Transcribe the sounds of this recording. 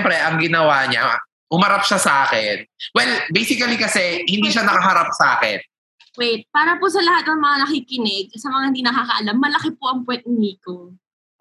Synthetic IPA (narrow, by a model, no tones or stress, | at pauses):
mpɾɛʔɐŋɡɪnɐwaːɲa̰ | ʊmɐɾap̚ʃasɐʔaːkɛnwɛlbɛjsɪkɐlikɐsɛhɪnd̪iːʃanɐkɐɦɐɾap̚sɐʔa̰ːkɛ̰n | wɛjt̪̚paːɾɐpʊs̬ɐlɐhat̪̚nɐŋmɐŋanɐkiːkɪnɛɡ̚sɐmɐŋahɪnd̪iːnɐkaːkɐʔɐlamːɐlɐkɪpoʔɐŋpwɛnt̪̚ɪmiːko